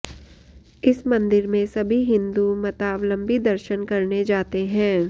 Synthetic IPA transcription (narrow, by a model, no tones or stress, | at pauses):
ɪsmɐ̃nd̪ɪɾmẽsɐbʱiɦɪ̃nd̪umɐt̪aːʋlə̃mbid̪ɐɾʃənkɐɾned͡ʒaːt̪eɦɛ̃ː